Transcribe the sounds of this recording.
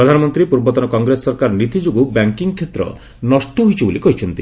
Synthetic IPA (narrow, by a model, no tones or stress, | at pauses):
ɾɔd̪ʱanɔmɔnt̪ɾipuɾbɔt̪ɔnɔkɔŋɡɾesɔɔɾkaɾɔnit̪id͡ʒuɡubaŋkiŋkʰːet̪ɾɔ̰ | nɔsʈɔɦojt͡ʃʰibolikɔɦit͡ʃʰɔnt̪ḭ